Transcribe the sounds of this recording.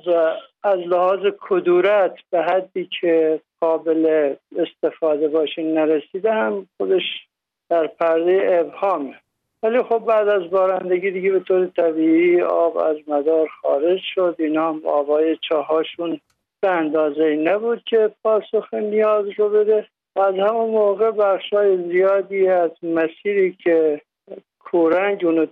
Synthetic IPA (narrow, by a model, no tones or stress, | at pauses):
væːzlehɒːzekʰod̪uːɾæt̪ʰb̥eɦæd̪ːiːkʰeɡ̥ɒːbeleːst̪e̞fɒːd̪ebɒːʃiːnnæɾesiːd̪ehæmxod̪eʃ | d̪̥æɾpʰæɾd̪ejeːbhɒːme | væliːxobːæːd̪æzbɒːɾænd̪eɡiːd̪iɟebet̪ʰoːɾet̪ʰæbiːiːɒ̰ːbæ̰zmæd̪ɒːɾxɒ̰ːɾed͡ʒʃod̪iːnɒːmɒ̰ːbɒːjet͡ʃʰɒːɦɒːʃun | b̥eænd̪ɒːzeinæbuːd̪̥̚cʲʰe̞pʰɒːsoxenijɒːzɾobed̪e | væːzhæmunmoːɣebæxʃhɒːjezijɒːd̪iːæzmæsiːɾiːkʰe | kʰuːɾæŋɟuːno